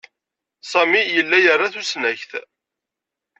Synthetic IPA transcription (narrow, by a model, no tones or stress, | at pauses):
sˤɑmijəlːæjərˤːaθusnæçθ